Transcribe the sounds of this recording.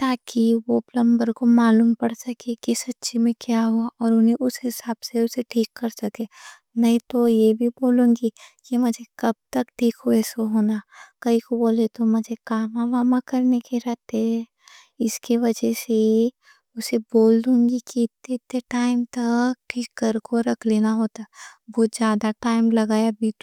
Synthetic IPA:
t̪aːkiʋoplɐ̃mbəɾkomaːluːmpɐɽsɐkekisɐtːʃimẽkjaɦuaʔɔːɾʊnẽʔʊsɦɪsaːb̥seʊseʈʰiːkːɐɾsɐke | nɐɦĩt̪ojebʱiboːlũːŋɡikimʊd͡ʒʱekɐb̚t̪ɐkʈʰiːkɦoɛːsoɦoːnakɐɦikoboːlet̪omɐd͡ʒʱekaːmaːʋaːmakɐɾnekeɾɐɦt̪ɛɦɛ | ɪskiʋɐd͡ʒɛse | ʊseboːld̪ũːŋɡikiɪt̪ːeɪt̪ːeʈaːɪmt̪ɐkʈikəɾkoɾɐkʰleːnaɦoːt̪aɛboːd͡ʒjaːd̪aʈaːɪmlɐɡaːjabʱit̪

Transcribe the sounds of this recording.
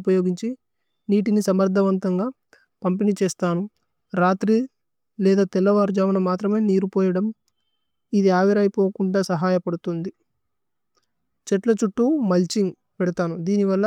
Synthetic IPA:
pɐjo̞ːɡiɲt͡ʃi | niːʈinisɐmɐɾd̪ʱɐʋɐnt̪ɐŋɡaː | pɐmpinit͡ʃeːst̪aːnu | ɾaːt̪ɾi | lɛːd̪aːt̪ɛlːɐʋaːɾd͡ʒaːmɐnɐmaːt̪ɾɐme̞ːniːɾupoːjɐɽɐm | id̪iaːʋiɾaːjipoːkuɳɖaːsɐɦaːjɐpɐɽut̪und̪i | t͡ʃɛʈlɐt͡ʃuʈːumɐlt͡ʃiŋ | pɛɽɐt̪aːnud̪iːniʋɐlːɐ

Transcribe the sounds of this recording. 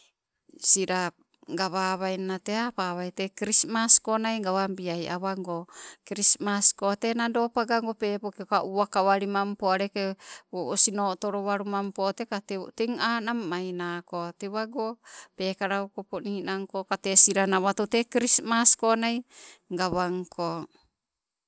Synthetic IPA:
siɾa | ɡaβaβajnateapaβajtekɾismaskonajɡaβambiaja̰βaŋɡokɾismaskotenadopaɡaŋɡopepokeokaʔuakawaɾimampoaɾekeoosinotoɾoβaɾumampot̪ekatiŋanamːajnakot̪eβaɡopekaɾaukoponiːnaŋkokatesiɾanaβat̪otekɾismaskonajŋɡaβaŋkʰo

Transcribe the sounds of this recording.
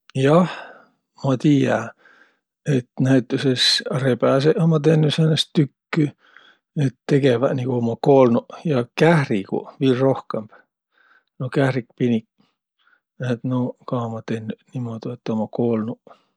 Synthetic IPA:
jɑh | mɑt̪iːjæ | e̞t̪næjt̪ːˑusesrepæseʔɑmɑt̪̬enːysenːestt̪ykːy | et̪ːe̞ɡ̥evæniɡ̥uomɑko̞ːlnuʔjɑkæhrikṵviːrro̞hkemb̥ | nokæhɾikpinik | et̪nokɑomɑt̪enːyʔnimod̪iet̪ːˑomɑkoːlnu

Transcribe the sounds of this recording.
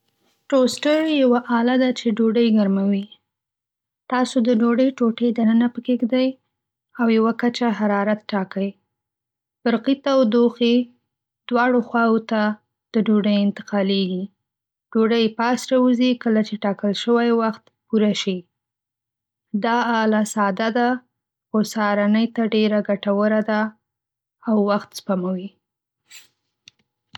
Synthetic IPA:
ʈosʈəjjawaʔɑlad̪at͡ʃeɖoɖəjɡaɾmawi | t̪ɑsod̪əɖoɖəjʈoʈed̪anənapəkeɡd̪aj | awjawakat͡ʃaɦaɾɑɾat̪̚ʈɑkəj | b̥əɾqit̪awd̪oxe | d̪̥wɑɽoxwɑwot̪a | d̪̥əɖoɖəjɪnt̪ɪ̥qɑleɡi | ɖ̥oɖəjpɑsɾɑwuzikəlat͡ʃeʈɑkəlʃəwajwaxt̪puɾaʃi | d̪ɑɑlasɑd̪ad̪a | xosɑɾanəjt̪aɖeɾaɡaʈawəɾad̪aː | wːaxt̪spamawi

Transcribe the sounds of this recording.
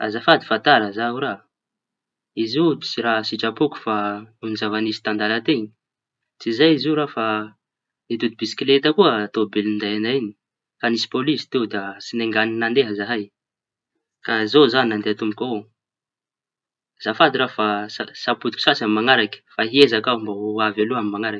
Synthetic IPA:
a̰zafad̪i̥fat̪aɾəzauɾa | izui̥t͡siɾaɦsiʈ͡ʂapuku̥faunizavanisi̥t̪and̪alat̪eɲi̥ | t͡sizajiziɾafa | it̪ud̪ibisi̥klet̪əkuəat̪obelind̪ajanaini̥ | kanisi̥polisi̥t̪ewd̪asineŋɡaninand̪eɦəzaɦaj | kazozaninand̪eat̪umbukʲa | z̥afad̪iɾafasasaput̪ukʲi̥sasamimaŋaɾakə̥faɦiezakaumbauavaluamimaŋaɾak

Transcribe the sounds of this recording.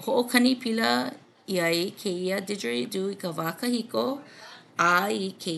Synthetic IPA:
hoʔokʰɐnipʰilɐ | iɐjkʰeiədɪd͡ʒəɹiduːikəvaːkəhiko | aikʰe

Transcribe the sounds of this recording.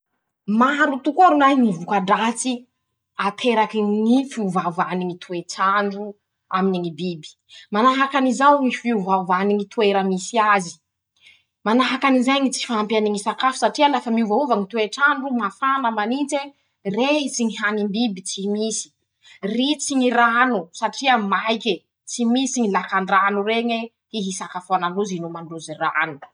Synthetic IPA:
maɾut̪ukoɾunajŋivukaɖ͡ʐat͡si | at̪ʰeɾakiŋifiuvavaniŋit̪ʰueʈ͡ʂaɳɖ͡ʐu | aminiŋibibi̥ | manaɦakanizawŋifiuvavaniŋit̪ʰueɾəmisiazi̥ | manaɦakanizajŋit͡si̥faampianiŋisakafu̥saʈ͡ʂialafəmiuvauvaŋit̪ueʈ͡ʂanɖ͡ʐumafanəmanint͡se | reɦit͡siŋiɦanimbibit͡simisi̥ | rit͡siŋiranusaʈ͡ʂiəmajkʲe | t͡simisiŋilakaɳɖ͡ʐanureŋe | hiɦisakafuananduzinumaɳduzira̰nu̥

